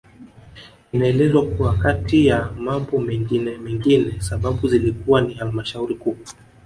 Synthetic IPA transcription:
inaɛlɛzwakuwakatijamambɔmɛŋɡinɛmɛŋɡinɛsaɓaɓuzilikuwanihalmaʃauɾikuː

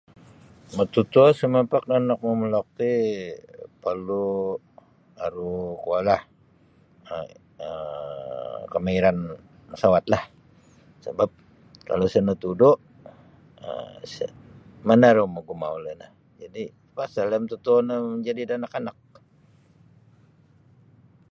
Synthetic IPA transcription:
mət̪ut̪uosəməpak̚nanak̚məməlɔk̚t̪i | pərlu | aɾukualah | ə | ə | kəmaiɾan | əsawat̪̚lah | səbap̚ | ka̰losənət̪udoʔ | ə̰sə̰ | manaɾuməɡumauləna̰h | d͡ʒadi | pasaləmt̪ut̪unəməɲd͡ʒadidanakanak̚

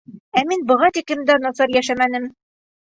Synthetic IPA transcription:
æminbɤ̆ʁɑt̪iklɘ̆md̪ænɒsɑɾjæʃæmænɘm

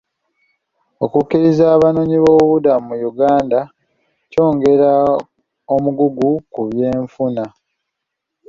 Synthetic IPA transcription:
o̞kukːiɾizaːβano̞ɲiβoːβudamumujuɡaːnda | co̞ːŋɡe̞ɾa | omuɡuɡukuβje̞ːɱfuna

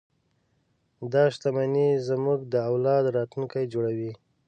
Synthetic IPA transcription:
d̪ɑʃt̪amanizmuɡd̪əawlɑd̪ɾɑt̪lunkajd͡ʒoɽawi

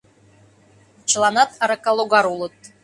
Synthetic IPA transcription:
t͡ʃlˠanɑt̪aɾakalˠoɡɑɾulˠɤt̪̚

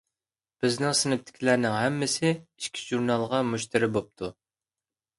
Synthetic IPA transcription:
b̥ɪznɪŋsɪnɪp̚t̪ʰɪ̥kʲʰilæɾnɪŋɦɛmːɪsɪiʃkʲʰi̥ʒuɾnɑlˠʁɑmuʃt̪ʰɪɾɪbop̚t̪ʰu

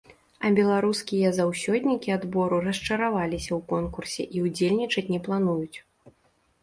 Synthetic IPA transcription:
ɐbʲɛlˠaɾuskʲijɐzawsʲɔd̪ʲnʲikʲiad̪bɔɾurɐst͡ʂɐɾavalʲisʲɐwkɔnkursʲɛ̰ʔiud͡zʲelʲnʲit͡ʂɐt͡sʲnʲɛplˠanujut͡sʲ

